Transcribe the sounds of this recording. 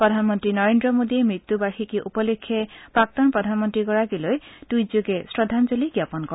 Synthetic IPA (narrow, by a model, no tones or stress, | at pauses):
pɹɔd̪ʱanmɔntɹinɔɹendɹɔmod̪iemɹit̪ːubaxikiʔupɔlekʰːjepak̚t̪ɔnpɹɔd̪ʱanmɔnt̪ɹiɡɔɹaɡilojdujzoɡesɹɔd̪ʱanzoliɡjapɔnkɔ